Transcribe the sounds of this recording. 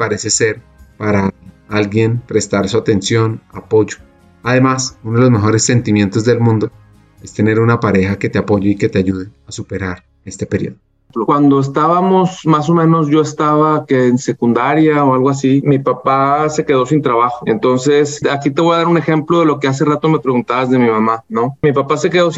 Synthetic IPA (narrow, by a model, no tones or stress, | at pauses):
paɾe̞se̞se̞ɾ | paɾaalɡje̞npɾe̞st̪aɾsuat̪e̞nsjo̞napo̞ʝo̞̥ | aðe̞masunoðelozme̞xo̞ɾe̞sːe̞nt̪imjẽ̞nt̪o̞zd̪e̞lmũnd̪o̞ | e̞st̪e̞ne̞ɾunapaɾe̞xake̞t̪eapo̞ʝeike̞t̪eaʝuð̞easupe̞ɾaɾ | e̞st̪e̞peɾjo̞̰ðo | plokwand̪o̞es̬t̪aβamo̞smas̬o̞mẽ̞no̞zʝo̞est̪aβakeːnse̞kund̪aɾjaoalɣo̞asimipapase̞ke̞ðo̞sint̪ɾaβaxoe̞nt̪o̞nse̞sakit̪eβo̞jaðaɾune̞xe̞mplo̞ðe̞lo̞ke̞as̬e̞rat̪o̞me̞pɾe̞ɣunt̪aβazðe̞mimamano̞mipapase̞keðo̞s